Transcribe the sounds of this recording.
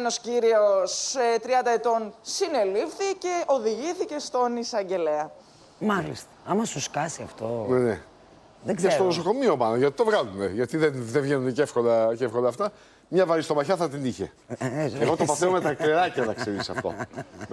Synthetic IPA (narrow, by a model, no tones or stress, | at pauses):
nosciɾioset̪ɾiɐnd̪ɐet̪o̞nsine̞lifθice̞oðiʝiθice̞st̪o̞nisɐɲɟe̞leɐ | mɐlḭst̪ɐ̥ɐmɐsuskɐsiɐft̪onene | ðeɡzest̪onoso̞ko̞mio̞mɐnɐʝɐt̪i̥t̪o̞vɣɐlumeʝɐt̪iðenðevʝenunecefxond̪ɐcefxond̪ɐːft̪ɐ | mɲɐvɐɾist̪o̞mɐçɐθɐt̪iniçe̞̰ | eɣot̪opɐθeome̞t̪ɐkɾiɾɐcɐnɐkseɾisɐft̪o̞̰